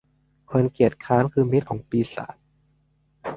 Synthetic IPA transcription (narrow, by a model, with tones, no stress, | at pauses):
kʰo˧nki˨˩ət̪̚kʰaː˦˥nkʰɯː˧mi˦˥t̪̚kʰɔː˩˦ŋpiː˧sa̰ː˩˦m